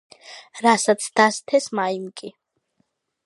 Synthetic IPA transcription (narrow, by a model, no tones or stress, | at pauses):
ɾasat̪sʰd̪ast̪ʰɛsmaimkʼi